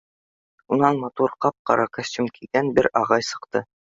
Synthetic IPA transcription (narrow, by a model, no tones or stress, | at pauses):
unɑnmɑt̪uɾqɑp̚qɑ̰ɾɑkasʲt̪ʲumkʰiɡ̥ænbɘɾɑʁɑjsɤ̆qt̪ɤ